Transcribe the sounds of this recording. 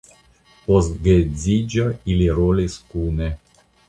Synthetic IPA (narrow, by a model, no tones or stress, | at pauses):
postɡezid͡ʒailiɾoliskune